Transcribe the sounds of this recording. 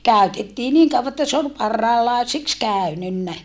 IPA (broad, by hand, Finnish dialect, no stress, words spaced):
kæˑytetːiː niːŋ kɑuʋɑ etːæ se ol pɑrːɑilɑˑesiks kæˑynynːæ